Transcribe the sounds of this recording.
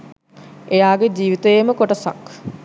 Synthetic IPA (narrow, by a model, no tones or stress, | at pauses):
ejaːɡed͡ʒiːʋit̪əjeməkoʈəsa̰k